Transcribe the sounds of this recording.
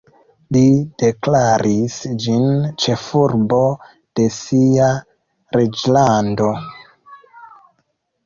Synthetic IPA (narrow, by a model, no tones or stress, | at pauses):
lid̥e̞klaɾisd͡ʒint͡ʃe̞fuɾbo̞ | d̥e̞sia | ɾed͡ʒlando̞